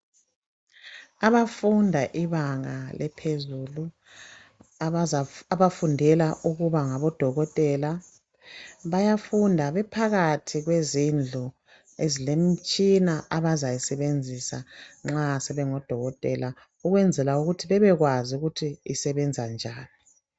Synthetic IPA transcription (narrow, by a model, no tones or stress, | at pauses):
aβafundʱaʔiβaŋalɛpʰezulu | aβafundʱɛlaʔuɣuβaŋaβɔd̥ʱɔɣɔtʼɛla | βajafundʱaβɛpʰaɣatʰiɣwezind͡ɮʱu | ezilem̩t͡ʃʼinaʔaβazajisɛβend͡zʱisaŋ͡ǁasɛβɛŋɔd̥ʱɔɣɔtʼɛ̰la | uɣwɛnd͡zʱɛlauɣutʰiβɛβɛɣwazuɣutʰiisɛβɛnd͡zʱand͡ʒʱaːni